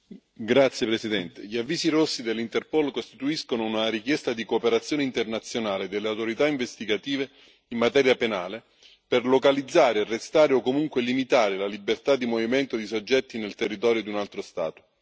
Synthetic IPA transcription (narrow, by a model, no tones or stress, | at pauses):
ɡɾat̪sːjepɾesid̪ɛnt̪eʎiavːiːsiɾosːid̪elːint̪erpolkost̪it̪uiskonounaɾikjɛst̪ad̪ikoːpeɾat̪sjoːneint̪ernat̪sːjonaːled̪elːeawt̪oɾit̪aiɱvest̪iɡat̪iːve | imːat̪ɛːɾjapenaːle | perlokalid̪zːaːɾerːest̪aːɾeokːomuŋkwelimit̪aːɾelalibert̪ad̪ːimovimɛnt̪od̪isod͡ʒːɛt̪ːinelt̪erːit̪ɔːɾjod̪iunalt̪ɾost̪a̰ːt̪o̥